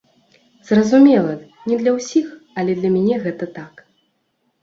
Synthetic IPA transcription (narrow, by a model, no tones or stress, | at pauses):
zrɐzumʲɛlˠɐ | nʲɛd̪lʲɐwsʲixɐlʲɛd̪lʲɐmʲɛnʲɛɣɛt̪ɐt̪ak